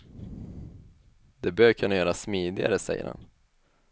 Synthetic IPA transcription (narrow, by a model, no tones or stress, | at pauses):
d̪̥ɛbøːɾkʰɵnːajœːɾasmiːd̪ɪɡa̰ɾəsɛjːə̰ɾha̰n